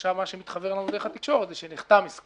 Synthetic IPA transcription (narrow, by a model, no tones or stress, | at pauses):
ʃavmaʃemit̪χabeʁlanud̪e̞χat̪ikʃo̞ʁet̪zeʃeniχt̪amisk